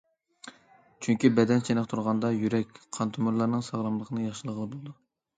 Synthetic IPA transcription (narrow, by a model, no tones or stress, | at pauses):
t͡ʃʰyŋkʲibɛd̪ɛnt͡ʃʰenqt̪ʰuɾʁɑnd̪ɑjyɾɛkʲqʰɑnt̪ʰumuɾlˠɑɾnɨŋsɑʁɾˠɑmlˠəqʰənɨjɑχʃɨlˠəʁəlˠɨbolˠɨd̪u